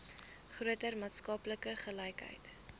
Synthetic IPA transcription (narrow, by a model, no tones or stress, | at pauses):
χruətərmɑːtskɐpləkəχəlɛjkɦə̰jt